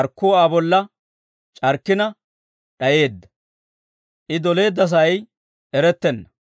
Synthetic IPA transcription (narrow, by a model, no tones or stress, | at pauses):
ɾkːoːaːbɔlːɐ | t͡ʃʼɐɾkːɪnɐ | ɗɐje̞ːd̪ːɐ̥ | ʔɪd̪ɔle̞ːd̪ːɐs̬ɐɐj | ɛɾɛt̪ːɛnːɐ